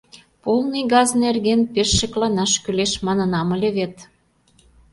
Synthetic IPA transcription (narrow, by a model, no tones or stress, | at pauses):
polnəjɡɑznerɣenpeʃːə̆klɑnɑʃkyleʃmɑnɤ̆nɑmə̆lʲeβet̪